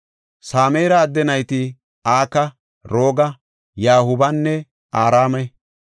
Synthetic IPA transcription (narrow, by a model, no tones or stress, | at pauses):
saːmeːɾɐːd̪ːɛnɐjt̪ɪ | aːkɐ | ɾoːɡɐ | jaːhʊbɐnːɛ | aːɾaːmɐ